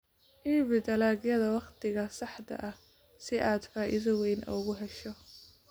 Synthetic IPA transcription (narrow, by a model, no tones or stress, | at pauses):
ʔiːβɪd̪ɐlaːɣjɐðɐwɑqt̪ʰɪɣɐsɑħd̪ɐ̰ʔɐh | sɪʔaːd̪faːʔɪðɐwɛjnʔɔ̰ɣʊɦɛʃɔ